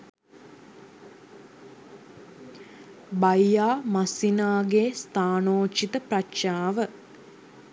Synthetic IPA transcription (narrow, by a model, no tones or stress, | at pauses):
bajːaːmasinaːɡeːst̪aːnoːt͡ʃit̪əpratʃaːʋə